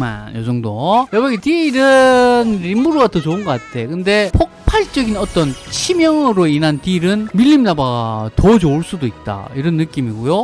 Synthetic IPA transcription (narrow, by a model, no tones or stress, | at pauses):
ma̰njʌd͡ʑʌŋdojʌbʌɡetiɾɯnɾimːuɾoɡatʰot͡ɕounɡʌk͈atʰe̞kɯnde̞pʰok̚pʰaɭt͡ɕ͈ʌɡinʌt͈ʌnt͡ɕʰimjʌŋɯɾoinɦantiɾɯnmiʎːimnabaɡatod͡ʑoɭs͈udoit̚t͈a̰iɾʌnːɯk͈imiɡojo